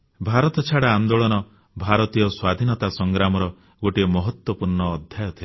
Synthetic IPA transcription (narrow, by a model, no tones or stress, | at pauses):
bʱaɾɔt̪ɔt͡ʃʰaɽaːnd̪oɭɔnɔ | bʱaɾɔt̪ijɔswad̪ʱinɔt̪asɔŋɡɾamɔɾɔ | ɡoʈiɔmɔɦɔt̪wɔpuɾɳɔːd̪ʱjajɔt̪ʰil